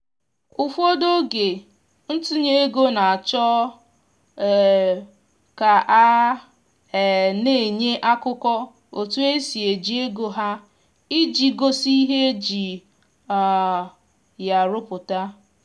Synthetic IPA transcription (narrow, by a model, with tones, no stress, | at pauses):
ʊ˨fo˦do˦ɡe˨ | n̩˦tu˦ɲe˦e˦ɡo˦na˨a˨t͡ʃɔ˦˨ | ka˨ʔa˦˨ | ne˦˨ɲe˦ʔa˦kʊ˦kɔ˦ | o˨tu˦e˦si˨e˨d͡ʒi˦e˦ɡo˦ɦa˦ | i˦d͡ʒi˨ɡo˦si˦i˦ɦe˦d͡ʒi˨ | ja˨ɾʊ˦pʊ˨ta˦